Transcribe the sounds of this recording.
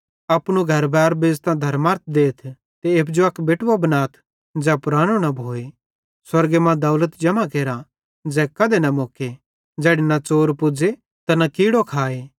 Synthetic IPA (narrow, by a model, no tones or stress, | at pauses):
ɐpɽ̃uɡʱɐɾbɛːɾbeːst̪ãd̪ʱɐɾmaɾt̪̚ʰd̪eːt̪ʰ | t̪eepʰd͡ʒoɐkbeʈʋabɐnaːt̪ʰ | d͡zɛpʊɾaːɽ̃onɐbʱoːe | swɐɾɡemãd̪ɐʊlət̪d͡ʒɐmakeːɾa | d͡zɛːkɐd̪enɐmoːke | d͡ʒɛːɽenɐt͡ʃoːɾpʊd͡ze | t̪ɐnɐkiːɽokʰaːeː